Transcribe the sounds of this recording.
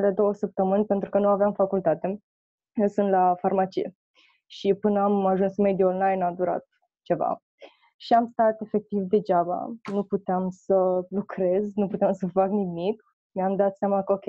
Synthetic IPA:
ele̞d̪o̞wəsəp̚t̪əmɨnʲpe̞nt̪ɾukənuaveamfakult̪at̪e̞ | əsɨnt̪lafarmat͡ʃḭjḛ | ʃipɨnəamaʒunsme̞d̪ionlajnad̪uɾa̰t̪̚ | t͡ʃe̞va̰ | ʃiamst̪at̪e̞fe̞k̚t̪ivd̪e̞d͡ʒaba̰nuput̪eamsəlukɾe̞znuput̪eamsəfaknimik | meamd̪at̪sjamakəokʲe

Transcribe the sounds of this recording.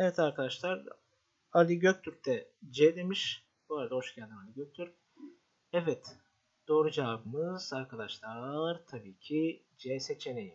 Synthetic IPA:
ɛvɛt̪aɾkʰad̪aʃlˠaɾ | alʲiɟøc̚t̪ʰyɾt̪ʰɛd͡ʒɛd̪emiʃ | boːɾad̪ahoʃcæld̪imalʲiɟøc̚t̪ʰyɾ | ɛvɛt̪ | d̪̥oːɾud͡ʒamɯz̥aɾkʰad̪aʃlˠaɾt̪ʰabiːcʰi | d͡ʒɛset͡ʃʰeneji

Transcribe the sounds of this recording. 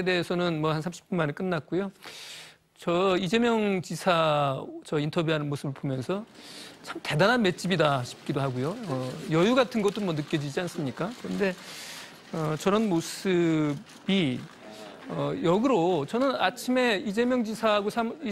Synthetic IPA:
ede̞ɦesʰʌnɯnmwʌhansʰamɕʰi̥p̚k͈umanek͈ɯnːat̚k͈ojo | t͡ɕʌid͡ʑe̞mjʌŋt͡ɕisʰat͡ɕʌintʰʌbjuɦanɯnmos͈ʰɯbɯɭbomjʌnsʰʌt͡ɕʰamte̞dananme̞t̚t͡ɕ͈ibidaɕʰi̥p̚k͈idoɦaɡojoʌjʌjuɡatʰɯnɡʌt͈omwʌnɯk͈jʌd͡ʑid͡ʑians͈ɯmɲik͈akɯɾʌnde̞ | ʌt͡ɕʌɾʌnmosɯ | bi | ʌjʌɡɯɾot͡ɕʌnɯnat͡ɕʰime̞id͡ʑe̞mjʌŋd͡ʑisʰaɡosʰami

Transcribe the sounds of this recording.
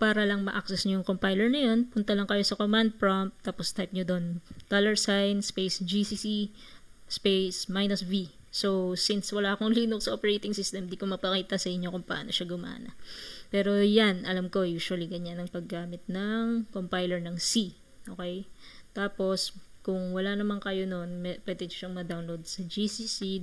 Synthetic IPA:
paːɾɐlɐŋmɐʔak̚sɛsɲɐjʊŋkompajlɛɹnɐjo̞npʊnt̪ɐlɐŋkɐjo̞sɐkomand̪̚pɹomp̚t̪aːpo̞st̪ajp̚ɲod̪o̞nt̪alɛɹsajnspejsd͡ʒisisi | spejsmajnɐsvi | sowsinswɐlaːʔɐkoŋliːnoksɐʔopɛɹejt̪ɪŋsist̪ɛmd̪ikomɐpɐkiːt̪ɐsɐʔɪɲːo̞kʊŋpɐʔa̰ːno̞ʃaɡʊmʔa̰ːnɐ̰pɛːɾo̞janʔɐlamko̞juːʃʊwɐliɡɐɲanɐŋpɐɡːaːmɪt̪̚nɐŋkompajlɛɹnɐŋsi | ʔoːkɛjt̪aːpo̞skʊŋwɐlanɐmaŋkɐjo̞nonɛpwɛːd̪ɛɲʊʃɐŋmɐd̪awnlowd̪̚sɐd͡ʒisisi

